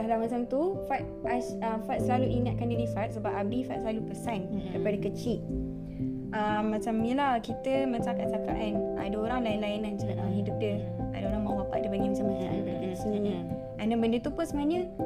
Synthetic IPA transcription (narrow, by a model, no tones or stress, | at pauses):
alahmat͡ʃamt̪ufat̪̚asəfat̪̚səlaluʔiŋat̪̚kandədifat̪̚səbap̚abifat̪̚səlalupəsanəipadakət͡ʃiʔ̪̚ | əmːãt͡ʃamjəlakit̪əmə̃t͡ʃakaʔ̚saka̰ʔana̰daoɾaŋlainlainand͡ʒatəmɦidup̚də | a̰daoɾaŋmãwapaʔ̚dəbaŋimat͡ʃamat͡ʃaʔa̰nbakanasəninĩ | ɛ̃ndɛnbəndət̪upəsəməaɲə